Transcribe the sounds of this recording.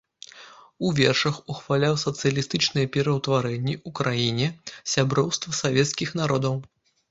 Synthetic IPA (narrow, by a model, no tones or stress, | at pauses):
uvʲɛrʂɐxuxvalʲawsɐt̪sɨjɐlʲist̪ɨt͡ʂnɨjɛpʲɛɾɐwt̪vaɾɛnʲːɛʔukɾajinʲɛsʲabɾɔwst̪vɐsavʲɛt̪skʲixn̪aɾɔd̪ɐw